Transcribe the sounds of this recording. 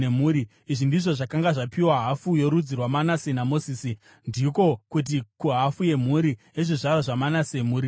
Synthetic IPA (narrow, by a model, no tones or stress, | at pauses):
emuːɾi | iʐindiʐo̞ʐakaŋɡaʐapiwaɦafujo̞ɾud͡zirwamanasenamosiːsi | ndiko̞kut̬ikuɦafuje̞m̤uɾi | eʐiʐaraʐamanasemuːɾi